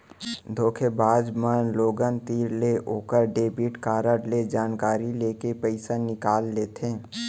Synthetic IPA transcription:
d̪ʱoːkʰebaːd͡ʒmənloːɡənt̪iːɾleʔoːkəɾɖeːbɪʈkaːɾəɾled͡ʒaːnkaːɾileːkepɛɪsanɪkaːlːeːt̪ẽː

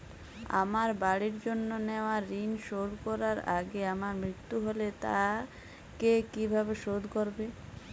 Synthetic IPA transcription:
a̰maɾbaɽiɾd͡ʑonːoneoaɾːinʃoɽkɔɾaɾa̰ɡeamaɾmɾit̪ːuɦolet̪a̰ | kekibʱabeʃod̪ʱkoɾbe

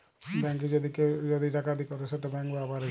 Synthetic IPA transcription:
bɛŋk̬ed͡ʒɔd̪iked͡ʒɔd̪iʈakad̪ikɔɾeseʈabɛŋbabaɾe

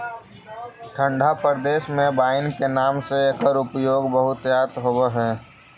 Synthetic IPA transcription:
ʈʰə̃ɳɖʱapəɾd̪eːʃmẽbaːɪnkenaːmseeːkəɾʊpjoːɡbəɦʊt̪jaːt̪ɦobəɦɛː

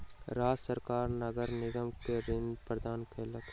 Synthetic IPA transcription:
ɾaːsəɾkaːɾnɐɡəɾnɪɡ̪əmkeɾɪ̃nd̪pɾəd̪aːnkʰeːlək

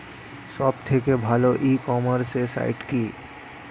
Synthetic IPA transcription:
ʃɔbt̪ʰekebʱaloʔikɔmaɾsesa̰iʈki

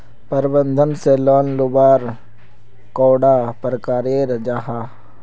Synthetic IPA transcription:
pəɾbə̃nd̪ʱənselɔːnlʊbaːɾ | kɔːɽaːpəɾəkaːɾeɾəd͡ʒaːɦa

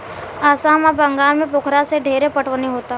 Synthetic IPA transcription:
aːsaːmabɐ̃ŋɡaːɾmẽpʊkʰɾaseɖʱeːɾepəʈʰʋəniɦoːt̪a

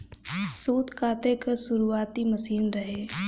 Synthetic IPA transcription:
suːt̪kaːt̪ekasʊɾuaːt̪imɐsiːnɾɐɦeː

